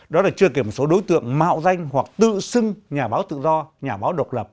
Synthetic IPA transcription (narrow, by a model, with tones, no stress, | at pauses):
ɗɔ˨˦laː˨˩t͡ɕɨ˧ək̬e˧˩mo˨˩so˨˦ɗo˨˦jt̪ɨ̰˧˨əŋma̰ː˧˨wza˧jŋ̟hwa˨˩k̚t̪ɨ̰˧˨sɨ˧ŋɲaː˨˩ɓaː˨˦wt̪ɨ̰˧˨zɔ˧ɲaː˨˩ɓaː˨˦wɗo˨˩t̚lə˨˩p̚